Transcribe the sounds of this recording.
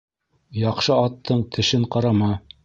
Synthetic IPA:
jɑqʃɤɑt̪ʰːɤɴt̪ʰɘ̆ʃɘɴqɑɾɑmɑ

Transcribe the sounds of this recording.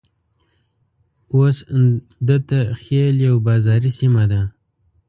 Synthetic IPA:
os | d̪ət̪axeljawbɑzɑɾisimad̪a

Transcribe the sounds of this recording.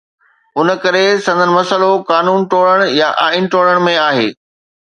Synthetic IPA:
ʊnəkɐɾesɐ̃nd̪ʱənɪ̆mɐsəlokaːnuːnʈoːɭəɽ̃jaʔaːinʈoːɽəɽ̃mẽaːɦeː

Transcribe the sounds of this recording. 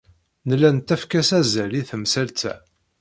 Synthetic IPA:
nəlːænt̪æfkæsæzæliθəmsælt͡sæ̰

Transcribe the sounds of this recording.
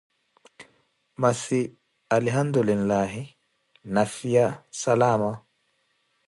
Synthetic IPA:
masi | alɦand̪ulillaːɦi | nafijasalaːma

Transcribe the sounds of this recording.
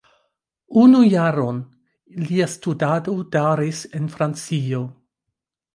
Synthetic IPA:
unujaɾo̞n | liastudado̞d̥aɾise̞nfɾant͡sio̞

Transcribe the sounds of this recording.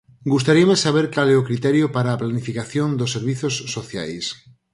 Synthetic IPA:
ɡus̬t̪aɾiamesaβ̞eɾkalɛʊkɾit̪ɛɾjʊpaɾaːplanifikaθjond̪osːeɾβiθosːoθja̰js

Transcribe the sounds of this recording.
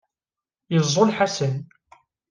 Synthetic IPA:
jəzˤːolħasən

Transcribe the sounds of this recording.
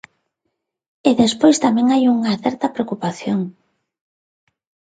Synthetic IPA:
eðespojst̪amɛ̃ŋajuŋaθɛɾt̪ɐpɾeokupaθjoŋ

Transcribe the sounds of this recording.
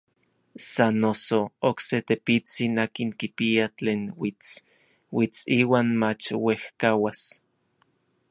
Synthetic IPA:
sanːosookset̪epit͡sinaːkiŋkipiat͡ɬeːnwit͡s | wit͡siːwaːnmat͡ʃwehkawas

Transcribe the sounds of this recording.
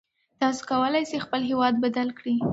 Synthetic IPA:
t̪ɑso̥kawəlajsexpəlɦewɑd̪̚bad̪alkɽi

